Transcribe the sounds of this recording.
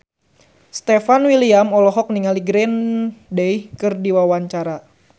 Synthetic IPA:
st̪efanwiliamɔlɔɦɔk̚niŋaliɡɾɛndejkɨrdiwawaɲt͡ʃaɾa

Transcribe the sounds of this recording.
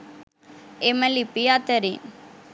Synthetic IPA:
emɐlipiat̪ɐɾin

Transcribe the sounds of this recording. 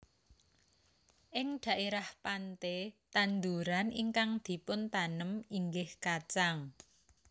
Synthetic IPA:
ʔɪŋd̪̥a̤ʔeɾahpant̪et̪and̪uɾaniŋkaŋd̪̥i̤pʊnt̪anəmiŋɡɪhkat͡ʃaŋ

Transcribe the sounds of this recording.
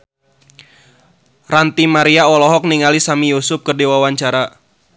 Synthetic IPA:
rant̪imaɾiaɔlɔɦɔk̚niŋalisamijusʊp̚kərdewawaɲt͡ʃaɾa

